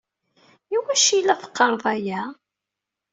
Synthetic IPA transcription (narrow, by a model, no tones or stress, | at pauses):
iwæʃilːæfə̥qːɑɾˤðˤæjæ